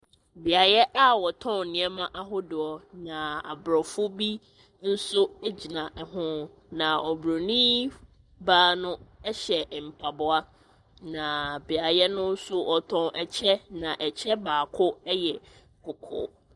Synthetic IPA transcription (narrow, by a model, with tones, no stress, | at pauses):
bɪ˨a˨jɛ˦ʔa˦wɔ˨tʰɔ̃˦n̩˨nɪ̃˨˦ɛ˦mã˦ʔa˦ɦʊ˦dʊ˨ɔ˨nã˨a̰˨bɾɔ˨fʊ˦bi˦ | n̩˦sʊ˦e˦d͡ʑi˨nã˨ʔɛ˨ɦʊ̃˦ | nã˨ɔ˨bɾo˨nĩ˦ | baː˦nʊ̃˦ɛ˦ɕɛ˨m̩˨pʰa˨bʊ˦a˦ | nã˨bɪ˨a˨jɛ˦nʊ̃˦n̩˦sʊ˦ʔɔ˨tʰɔ̃˦ʔɛ˨t͡ɕʰɛ˦nã˨ʔɛ˨t͡ɕʰɛ˦baː˨kʰʊ˦ɛ˦jɛ˨ | kʰʊ˨kʰʊ̰ː˦